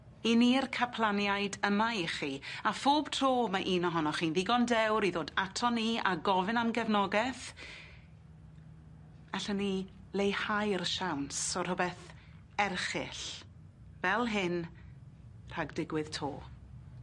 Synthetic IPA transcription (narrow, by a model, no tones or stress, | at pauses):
inirkʰapʰlˠanjajdəmaiχiafoːb̥tʰroːmaʔiːnɔɦɔnɔχiːnðɪɡɔndɛwɾiðoːdatʰɔnia̰ɡɔvɨnamɡɛvnɔɡɛθ | aɬəni | lejhajrʃawnsɔr̥ʊbɛθ | ɛrχɪ̰ɬ | vɛlˠɦɪn | r̥aɡdɪɡwɪð̥tʰo̰ː